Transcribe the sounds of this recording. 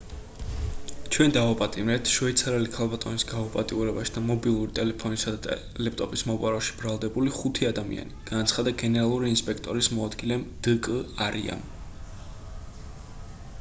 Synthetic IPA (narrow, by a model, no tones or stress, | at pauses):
t͡ʃʰwɛnd̪avapʼat̪ʼimɾɛt̪ʰʃvɛt̪sʰaɾɛlikʰalˠbat̪ʼɔnisɡaupʼat̪ʼiuɾɛbaʃi̥d̪̥amɔbilˠuɾit̪ʼɛlɛpʰɔnisad̪at̪ʼ | lɛp̚ʰt̪ʼɔpʼismɔpʼaɾɔʃi̥b̥ɾalˠd̪ɛbuliχut̪ʰiad̪amḭa̰niɡ̥anat̪sʰχad̪aɡɛnɛɾalˠuɾiːnspʼɛkʰt̪ʼɔɾismɔad̪ɡilɛmd̪̥əkʼəaɾḭa̰m